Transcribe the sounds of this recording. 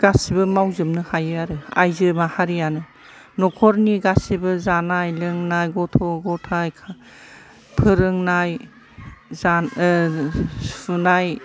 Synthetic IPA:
ɡ̥asibɯmawzɯmnɯhajɯaɾɯa̰jzɯmahaɾijanɯ | nɔkʰɔɾniɡasibɯzanajlɯŋnajɡɔtʰɔɡɔtʰajkʰa | pʰɯɾɯŋnaj | za | unaj

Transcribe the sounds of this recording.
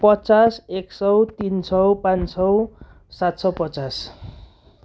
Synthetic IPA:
pʌt͡saseksʌwt̪insʌwpãnsʌw | sat̪sʌwpʌt͡sas

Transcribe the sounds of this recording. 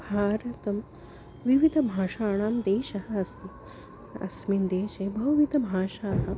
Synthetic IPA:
bʱaːɾɐt̪ɐm | ʋiʋid̪ʱɐbʱaːʂaːɳ̃aːmd̪eːʃɐɦɐɐst̪i | ɐ̰smind̪eːʃebʱɐʋʋid̪ʱɐbʱaːʃaːɦɐ

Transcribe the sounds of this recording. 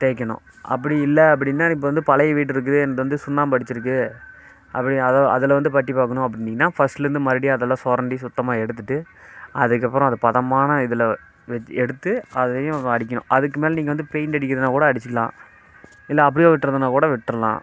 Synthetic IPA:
t̪eːkːɐɳʊ̰̃ | ʔɐ̰pːɐɽiɪlːɐɐp̬ːɐɽɪnːaːɪpːoʋɐnd̪ɯpɐlɐjɐʋiːʈ̬ːɪɾɯk̬ːɯðɯɛnɐkːɯʋɐnd̪ɯsʊnːaːmpɐɽɪt͡ʃːɪɾɯk̬ːɯ | ʔɐpːɐɽɪɐðoːʔɐ̰ðɯlɐʋɐnd̪ɯpɐʈːipaːkɐɳʊ̃ɐp̬ːɐɽɪnːiːŋːɐnːaːfɐsʈɾɯnd̪ɯmɐɾɪɽijɐðɐlːãːsoːɾɐɳɖisʊt̪ːɐmaːɛɽɯt̪̬ːɯʈːɯɐðɯkːɐpːɯɾɔ̃ɐðɯpɐðɐmaːnɐɪðɯlɐ | ʋɛɛɽɯt̪ːɯɐðɐlɐjʊ̃ɐɽɪkːɐnʊ̰̃ʔɐðɯkːɯmeːlɐniːŋɡɐʋɐnd̪ɯpeɪnɐɽɪkːɾɐðɐnaːkuːɽɐɐɽɪt͡ʃːɪkːɐlã̰ː | ɪlːɐːp̬ːɐɽɪjõːʋɪʈːɾɐðɯnaːkuːɽɐʋɪʈːɾɐlã̰ː

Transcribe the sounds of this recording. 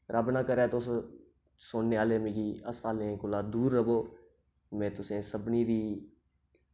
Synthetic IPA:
ɾʔəbnãːkəɾɛːt̪ʊs | soːnːeːaːleːmẽːkiːəsaːlẽkʊlaːd̪uːɾːəboː | mɛ̃ːt̪ʊsẽːsəbniːɾiː

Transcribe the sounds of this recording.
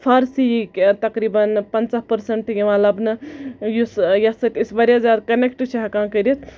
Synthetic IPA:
pʰɐɾsijikt̪ɐkɾibɐnpɐnt͡sapɐɾseɳʈjimalɐbnɨjusjɐsɐt̪isbɐɾjazjad̪kɐnekʈt͡ʃʰiɦɐkãːkəɾet̪ʰ

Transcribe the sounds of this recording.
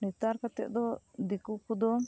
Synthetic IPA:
nɛt̪aɾkat̪ɛ̰ʔ̚d̪ɔd̪ikukud̪ɔ

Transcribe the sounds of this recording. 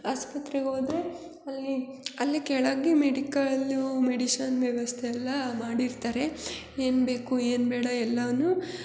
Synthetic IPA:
aːspɐt̪ɾɛɡoːd̪ɾe | ɐlːiɐlːikɛɭaːɡemeɽikɐɭlumeɽiʃɐnʋjɛʋɐst̪ʰɛjɛlːɐmaːɽiɾt̪aːɾe̞ | eːnbe̞ːkueːnbeːɽɐɛlːɐʋnu

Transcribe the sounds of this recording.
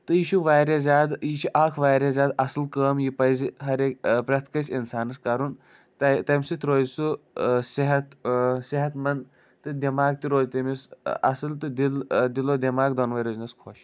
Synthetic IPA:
t̪ɨjit͡ʃʰuʋaːjɾɐzʲaːd̪jit͡ʃʰiʔaːkʰʋaːjɾʲɐzʲjaːd̪ɐsɨlkəːmjipɐjziɦɐɾekpɾɐt̪ʰkɐsʲinsaːnɨskɐɾun | t̪ɐt̪ɐmʲsit̪ʲɾoːzsuseɦɐt̪seɦɐt̪mɐnd̪ | t̪ɨd̪ʲimaːɡ̚t̪iɾoːzt̪ɐmisɐ̰sɨlt̪ɨd̪ild̪ilod̪ʲimaːɡ̚d̪onʋɐjɾoːznɐskʰoʃ

